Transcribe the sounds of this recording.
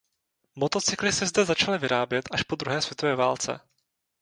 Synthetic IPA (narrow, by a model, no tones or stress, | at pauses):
mo̞t̪o̞t͡sɪklɪsɛzd̪ɛzat͡ʃalɪvɪɾaːbjɛt̪ʔaʃpod̪ɾuɦɛːsvjɛt̪o̞vɛːvaːlt͡sɛ̰